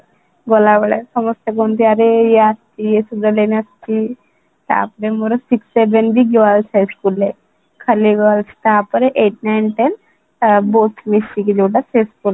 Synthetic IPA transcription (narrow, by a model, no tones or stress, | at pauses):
ɡolaʋɐɭesɐməst̪jakont̪iɐɾejeast̪ijesud̪aleniast̪i | t̪a̰ːpɾemoɾosiksebenbiɡeʋalsɦajskulːe | kʰɐɾlːiɡɔʋalsi̥t̪aːpəɾeʔeʈnajnʈen | bot̪ʰmisikid͡ʒuwʈasejskul